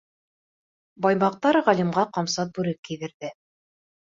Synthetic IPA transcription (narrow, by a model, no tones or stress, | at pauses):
bɑjmɑq̚t̪ɑɾʁælimʁɑqɑmsɑt̪̚bʉɾɘkːiðɘ̆ɾðɘ